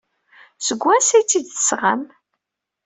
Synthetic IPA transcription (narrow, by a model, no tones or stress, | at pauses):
səɡʷːænsæjt͡sːid̪θə̥sʁam